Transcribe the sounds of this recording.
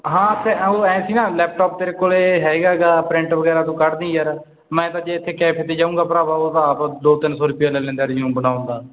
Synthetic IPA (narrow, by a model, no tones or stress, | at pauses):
ɦãːt̪eːoːɛ̃ːsiːnãːlɛːp̚ʈɔːp̚t̪eːɾeːkoːleːɦɛːɡaːɡaːpɾɪ̃ɳʈʋəɡɛːɾaːt̪ũːkəɾd̪ĩːjəɾ | mɛ̃ːt̪ãːd͡ʒeːɪt̪ʰːeːkɛːpʰeːt̪eːd͡ʒãːũːŋɡaːpəɾaːbaoːt̪ãaːpd̪oːt̪ɪnsɔːɾʊpɪjaːlɛːlɛ̃ːnd̪aːɾd͡ʒũːbənaːʊ̃ːɡ̪aː